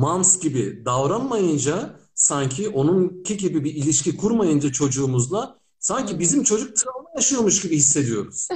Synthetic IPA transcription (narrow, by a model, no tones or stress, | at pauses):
mamsɟibid̪avɾanmajɯnd͡ʒasaɲcʰiʔo̞nuncʰiɟibibiilʲiʃcikʰuɾmajɯnd͡ʒat͡ʃʰo̞d͡ʒuːmuzlˠa | saɲcibizimt͡ʃʰo̞d͡ʒuk̚t̪ʰɯɾaɯnˠajaʃɯjo̞muʃɟibihisːe̞d̪ijo̞ɾuz̥